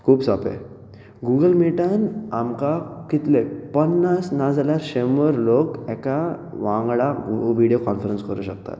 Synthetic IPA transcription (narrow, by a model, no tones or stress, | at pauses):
kʰuːbsapḛ | ɡuːɡəlmiʈanamkakit̪lepənːasnad͡zəlaɾɕeməɾloːkɛkaʋãŋɡɭaʋiɽijokɔnfəɾənskəɾuɕək̚t̪a̰t̪